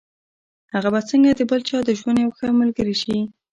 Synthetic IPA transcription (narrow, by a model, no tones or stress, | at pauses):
haɣabat͡səŋɡad̪əbəlt͡ʃɑd̪əʒwand̪jawxəmalɡəɾiʃi